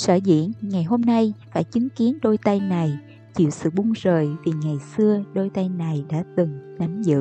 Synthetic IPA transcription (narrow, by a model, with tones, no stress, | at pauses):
səː˧˩zḭ˧˨˥ənŋa˨˩jɦo˧mna˧jfaː˧˩jt͡ɕï˨˦ŋki˨˦ənɗo˧jt̪a˧jna˨˩j | t͡ɕḭ˧˨əwsɨ̰˧˨ɓu˧ŋzəː˨˩jvi˨˩ŋa˨˩jsɨ˧əɗo˧jt̪a˧jna˨˩jɗa̰ː˧˥t̪ɨ˨˩ŋna˨˦mzɨ̰˧˨